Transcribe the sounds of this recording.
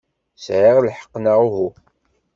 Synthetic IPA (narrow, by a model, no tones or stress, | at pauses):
sʕiʁlħə̥qːnaʁuɦu